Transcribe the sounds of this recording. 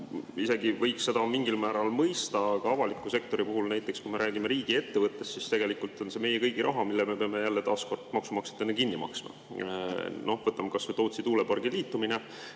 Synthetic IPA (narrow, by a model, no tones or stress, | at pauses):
ise̞ɡ̥ivɤjksːe̞d̪̥ɑmiŋɡ̥ilmæːɾɑlmɤjst̪ɑkɑɑvɑlikːˑuse̞k̚t̪o̞ɾipuɦulnæjt̪ːˑe̞kskujme̞ɾʔæːɡ̥imeɾiːɡ̥ie̞t̪ːevɤt̪ːˑe̞st̪sist̪e̞ɡ̥e̞likˑult̪ˑo̞nse̞me̞jekɤjɡ̥iɾʔɑ̰ɦɑmilːeme̞peɑme̞jælːet̪ɑːsko̞rd̪̥mɑksumɑkse̥t̪ːˑenːekinːimɑ̰ksmɑ̰ | no̞hvɤt̪ːˑɑmkɑset̪oːt̪sit̪uːlepɑrɡ̥iliːt̪ˑːumine